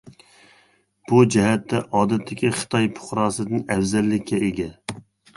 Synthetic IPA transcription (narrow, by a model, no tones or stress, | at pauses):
b̥ud͡ʒɛɦɛt̪ʰːɛʔɑːd̪ɛt̪ʰːɪkʲiχə̥t̪ʰɑjpʰʊ̥χɾɑːsɨd̪ɨnɛwzɛlːɪkʲːɛeɡʲɛ